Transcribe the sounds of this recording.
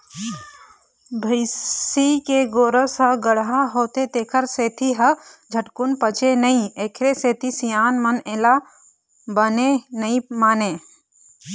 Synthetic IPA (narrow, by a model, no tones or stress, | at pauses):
bʱəɪikeɡoːɾəsɦəɡəɽɦaɦoːt̪et̪eːkʰəɾseːt̪ʰiɦɐd͡ʒʱəʈkʊnpət͡ʃenəĩeːkʰɾeseːt̪ʰisijaːnməneːla | bənenəĩmaːneː